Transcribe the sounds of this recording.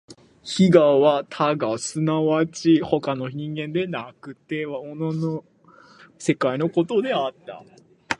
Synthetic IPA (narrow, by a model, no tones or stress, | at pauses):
çiɡaβat̪ʰaɡasɨnaβat͡ɕiho̞kano̞ɲ̟ĩŋɡẽ̞nd̪e̞nakɯ̟t̪e̞βaonono | se̞kaino̞ko̞t̪o̞d̪e̞at̪ːa̰